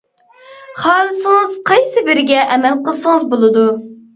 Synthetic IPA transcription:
χɑːlˠɨsɨŋɨz̥qʰɑjsɪbɪɾɪɡʲɛʔɛmɛlqəlˠsəŋəzbolˠɨd̪u

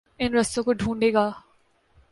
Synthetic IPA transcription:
ɪnɾɐst̪õkoɖʱũːɳɖeːɡaː

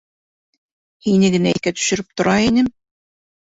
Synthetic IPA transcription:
hinɘɡɘ̆næikæt̪ɵ̥̆ʃɵ̆ɾɘp̚t̪ŏɾɑinɘm

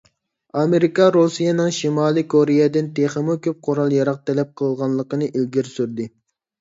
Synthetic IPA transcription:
ɑmeɾikɑɾosijenɨŋʃimɑːlˠikʰoɾejɛd̪ɪnt̪ʰeχəmukʲʰøp̚qʰoɾɑlˠjɑɾɑq̚t̪ʰɛlɛp̚qʰəlˠʁɑnlˠəqənɨʔilɡʲiɾsyɾd̪ɪ

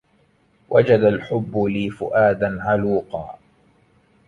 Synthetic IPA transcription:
wʔad͡ʒad̪alħʊbːʊliːfʊʔaːd̪anʕaluːqɑ̰ː

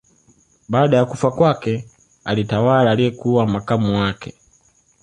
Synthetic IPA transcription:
baːɗajakufakwakɛ | alitawalaːlijɛkuwamakamuwakɛ

